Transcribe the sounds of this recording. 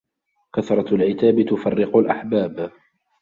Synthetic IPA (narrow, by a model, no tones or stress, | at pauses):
kaθɾˤɑalʕɪt̪aːbɪt̪ʊfarːɪqʊlʔaħbaːb